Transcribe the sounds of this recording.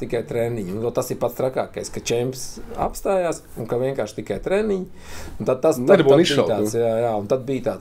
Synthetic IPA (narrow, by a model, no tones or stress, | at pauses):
t̪ikajt̪ɾenːiɲunɛt̪asiɾpat̪st̪ɾaka̰ːkajskat͡ʃɛmpsa̰pst̪aːjaːs | unkaʋiɛŋkaːɾʃt̪ikajt̪ɾɛniɲ | unt̪ad̪̚t̪asabniʃit̪aːt̪sjaːjaːunt̪ad̪̚biːt̪aːt̪